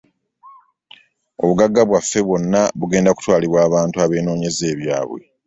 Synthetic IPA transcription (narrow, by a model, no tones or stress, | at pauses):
o̞̰βuɡaɡːaβwafːe̞βwo̞nːaβuɡe̞ːndaku̥twaːliβwaːβaːntuaβe̞ːno̞ːɲe̞ze̞ːβja̰ːβwe̞̰